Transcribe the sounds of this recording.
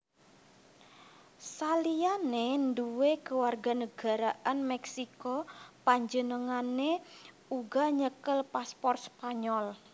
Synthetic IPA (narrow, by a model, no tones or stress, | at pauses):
salijanenduwekəwarɡa̤nəɡ̥a̤ɾaʔanmɛksikɔpaɲd͡ʒənəŋane | uɡaɲəkəlpaspɔrt̪̚spaɲɔl